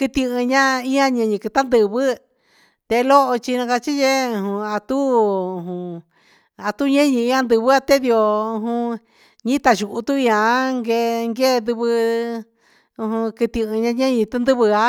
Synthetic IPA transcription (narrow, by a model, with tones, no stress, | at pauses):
kɨ˧t̪ĩ˧ɨ̃˧ɲã˦ĩ˦ã˦˧ɲẽ˧ɲĩ˧kɨ˧t̪a˦nd̪ɨ˧βɨ˦ | t̪e˧lo˦ʔo˧t͡ʃi˧nã˧ka˧t͡ʃi˦je˦ũ˧ɦũ˧a˧t̪u˦ũ˨ũ˧ | a˨t̪u˦ɲẽ˦ɲĩ˧ĩ˧ã˧nd̪ɨ˧βɨ˦a˧t̪e˦ði˧o˧ũ˧ɦũ˧ | ɲĩ˦t̪a˧ʒu˨ʔu˧t̪u˦ĩ˧ã˧˦ŋɡe˧ŋɡe˦˧nd̪ɨ˧βɨ˧ | ũ˧ɦũ˧kɨ˧t̪ĩ˧ɨ̃˧ɲã˧ɲẽ˦ɲĩ˧t̪u˦nd̪ɨ˦βɨ˧a˧